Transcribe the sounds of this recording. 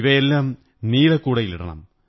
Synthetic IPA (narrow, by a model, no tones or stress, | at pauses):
ʋɐjelːaːm | niːlekːuːɽɐjiliɽɐ̰ɳɐ̰m